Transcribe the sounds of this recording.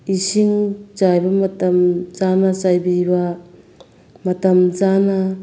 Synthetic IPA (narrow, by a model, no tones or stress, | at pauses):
isiŋt͡ʃajbɐmɐtɐmzanat͡ʃajbiba | mɐtɐmzana